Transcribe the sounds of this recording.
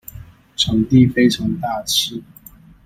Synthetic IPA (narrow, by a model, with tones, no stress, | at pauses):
ʈ͡ʂʰɤ˨˥ŋt̪i˥˨fe˥ɪʈ͡ʂʰɑ˨˥ŋt̪a˥˩t͡ɕʰi˥˦